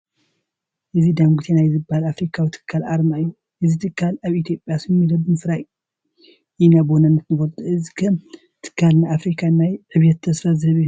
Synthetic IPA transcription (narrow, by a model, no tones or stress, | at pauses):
ʔɨzid̪aŋɡʷut̪ʰenajɛzɨbːahalafɾikʰawit̪ʰɨ̥kʰːalʔaɾmajːu | ʔɨzit̪ʰɨkːalaβit̪ʰjo̞pʼjasɨɨmːilɐbɨnsɨɾaj | ʔinabonɐnːɐt̪nɨfolt̪ʰʼuʔɨzikʰɐm | t̪ʰɨ̥kʰːalnaafɾikʰanajʕɨβjɛt̪ʰːɐsfazɨɐβi